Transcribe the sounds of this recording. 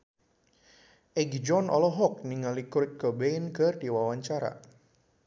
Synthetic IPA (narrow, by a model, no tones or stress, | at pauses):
ʔɛɡd͡ʒɔnʔɔ̰lɔɦɔk̚niŋalikʊrt̪̚kəbeinkərdiwawaɲt͡ʃaɾa̰